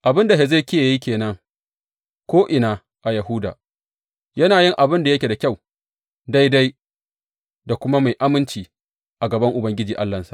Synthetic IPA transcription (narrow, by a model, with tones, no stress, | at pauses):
ʔa˨bɪ˦nda˨ɦe˨ze˦˨kʲi˦a˨ji˦kʲeː˨nɐ˦ŋ | kʷoː˦ʔɪ˨naː˨ | ʔa˨jɐ˨ɦʊ˦da̰ː˨ | jɐ˦naː˨jɪ˦ŋʔa˨bɪ˦nda˨jɐ˦kʲe˨da˨kʲa˦˨w | da˦jda˦j | da˨kʷʊ˦ma˦ma˨jʔa˦mɪ˦nt͡ʃiː˨ | ʔa˨ɡɐ˨bɐ˦ŋʔʊ˨bɐ˦ŋɡʲɪ˦d͡ʒiː˨ʔa˦lːɐ˨nsḁ̰˨ʔ